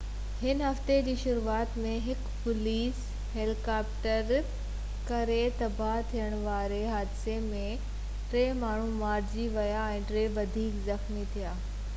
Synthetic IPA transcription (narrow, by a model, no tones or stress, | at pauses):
hɪnɦɐft̪ed͡ʑiːʃʊɾuaːt̪mẽɦɪkpʊliːs | ɦeːlikaːpʈəɾ | kɐɾet̪ɐbaɦt̪ʰijəɽ̃ʋaːɾeɦaːd̪ɪsemẽ | ʈɾeːmaːɳ̤umaːɾd͡ʑiʋɐjaɛ̃ːʈɾeːʋɐd̪ʱiːkzɐxmit̪ʰijaː